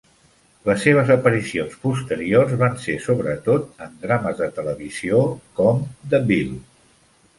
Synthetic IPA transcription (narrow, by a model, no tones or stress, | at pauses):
ləsːeβ̞əzəpəɾisionspust̪əɾiorzβansesoβɾət̪ot̪ənd̪ɾaməzðət̪ələβiziokɔmd̪əbil